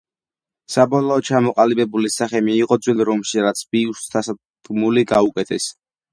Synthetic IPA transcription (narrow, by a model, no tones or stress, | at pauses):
sabɔlˠɔːt͡ʃʰamɔqʼalibɛbulisaχɛmiːqʼɔd̪zwilˠɾɔmʃiɾat̪sʰbiust̪ʰasḁ | ɡmuliɡaukʼɛt̪ʰɛs